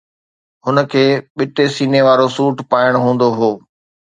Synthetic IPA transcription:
ɦʊnəkʰeːɓɪʈesiːneʋaːɾosuːʈpaːɪɽ̃ɦũːn̆d̪oɦoː

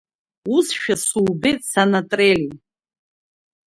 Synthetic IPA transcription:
usʃᶣasuːbejtʼsanatʼreli

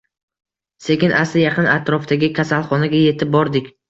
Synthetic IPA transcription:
se̞kʲɪnʔasɪjaqʰɨnat̪ɾɒft̪aɡʲɪkʲʰasalˠχɒnaɡʲaje̞t̪ʰɪp̚bɒɾd̪ɪkʲ

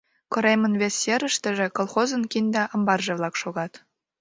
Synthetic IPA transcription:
kŏɾemɤnvʲesʲjeɾə̆ʃt̪ə̆ʒĕkolˠχozɤ̆nkʲind̪æʔɤ̆mbɑrʒɤ̆βlˠɑkʃoɣɑt̪

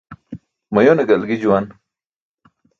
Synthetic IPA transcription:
mɐjoneɡɐlɡid͡ʑuwan

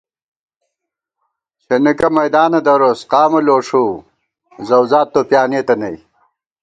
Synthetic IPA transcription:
t͡ɕʰenikɐmɐjd̪aːnɐd̪ɐɾosqɑːmɐloːʂu | zɐwzaːt̪ːoːpjaːnet̪ɐnɐj

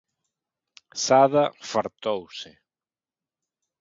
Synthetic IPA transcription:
saðɐfaɾt̪owsɪ

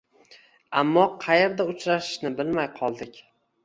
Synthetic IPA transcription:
amːɒqʰɑjeɾd̪aʊt͡ʃɾaʃɪ̥ʃnɪbɪlmajqʰɒlˠd̪ɪkʲ

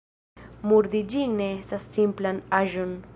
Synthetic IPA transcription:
muɾd̪id͡ʒiŋneestasːimplanaʒo̞n

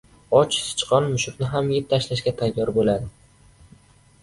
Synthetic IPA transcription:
ɒt͡ʃsɪ̥t͡ʃqʰɒnmʊʃʊkʲnɪɦamjep̚t̪ʰaʃlaʃɡʲat̪ʰajːɒɾbolad̪ɪ

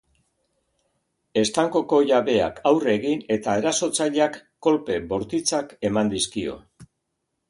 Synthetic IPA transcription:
e̞st̪aŋko̞ko̞ʝaβe̞a̰kʰawre̞ɣine̞t̪ae̞ɾaso̞t͡saʎakːo̞lpe̞bo̞ɾt̪it͡sake̞mand̪iskio̞̰

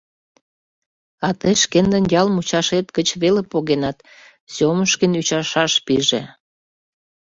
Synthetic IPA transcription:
ɑt̪əʃkend̪ənjɑlmut͡ɕɑʃet̪kət͡ɕβelepoɣenɑt̪ | soməʃkənyt͡ɕɑʃɑʃpiʒḛ

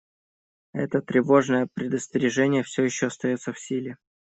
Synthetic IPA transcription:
ɛ̰t̪ət̪ɾʲɪvo̞ʐnəjəpɾʲɪd̪əsʲt̪ʲɪɾʲɪʐɛnʲɪjəfsʲojɪɕːoɐst̪ɐjo̞t̪səfsʲilʲɪ

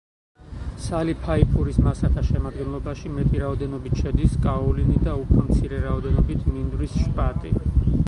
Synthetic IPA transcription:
salipʰaipʰuɾismasakʰaʃɛmad̪ɡɛnlˠɔbaʃimɛt̪ʼiɾaɔd̪ɛnɔbit̪ʰʃɛd̪iskʼaɔlinid̪aupʰɾɔmt̪sʰiɾɛɾaɔd̪ɛnɔbit̪ʰmind̪ɾisʃpʼat̪ʼḭ

